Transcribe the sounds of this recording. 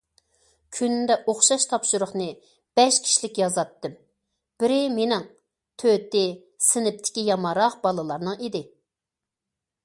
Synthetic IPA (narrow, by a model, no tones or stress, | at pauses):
kʲʰynnd̪ɛʔoχʃɑʃt̪ʰɑpʃuɾʊχnɨ | b̥ɛʃkʲʰi̥ʃilɪkʲjɑzɑt̪ːɨm | b̥ɪɾɪmenɪŋ | t̪ʰøt̪ɪ | sɪnɪp̚t̪ʰɪ̥kʲijɑmɑɾɑqbɑlˠɨlˠɑɾnɨŋid̪ɪ